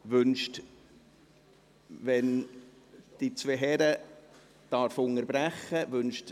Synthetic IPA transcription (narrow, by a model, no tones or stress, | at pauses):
ʋʏnʃt | vɛn | d̥it͡sveɦɛɾə | d̥ɑɾfʊŋəɾbɾæχːəvʏnʃt